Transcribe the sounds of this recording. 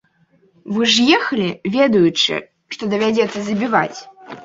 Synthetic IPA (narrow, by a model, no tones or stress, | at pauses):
vɨʐjɛxɐlʲivʲɛd̪ɐjut͡ʂɨ̰ | ʂt̪ɔd̪ɐvʲad͡zʲɛt̪sːɐzɐbʲiva̰t͡sʲ